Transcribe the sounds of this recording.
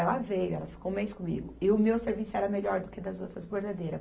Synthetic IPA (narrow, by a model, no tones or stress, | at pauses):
ɛlɐvejʊɛlɐfi̥kowmejskõmḭɡʊɪʊmewseɾvisʊɛɾɐmeʎɔɾd̪ʊked̪ɐzowt̪ɾɐzbeɾd̪ad̪ejɾɐ